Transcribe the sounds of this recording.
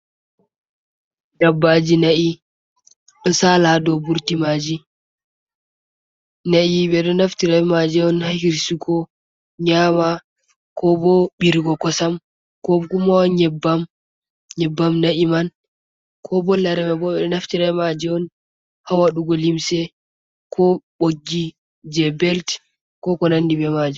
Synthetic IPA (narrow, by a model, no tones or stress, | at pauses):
dabːad͡ʒinaʔi | ɗɔsaladɔbuɾtimad͡ʒi | naʔiɓɛɗɔnaftiɾamad͡ʒɛɔnhahiɾsukʰɔ | ɲama | kɔbɔbiɾɡɔkɔsam | kɔkumawɲɛbːam | ɲɛbːamnaʔiman | kʰɔbɔlaɾɛmɛbɔɓɛɗɔnaftiɾajmad͡ʒɛɔn | hawaɗuɡɔlimsɛ | kʰɔɓoɡːi | d͡ʒɛbɛlt | kɔkɔnandibɛmad͡ʒi